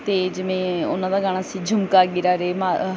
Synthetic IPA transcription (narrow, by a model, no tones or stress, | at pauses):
t̪eːd͡ʒɪʋẽːʊ̰nãːd̪aːɡaːɽ̃aːsiːd͡ʒʱʊmkaːɡɪɾaːɾeːmaː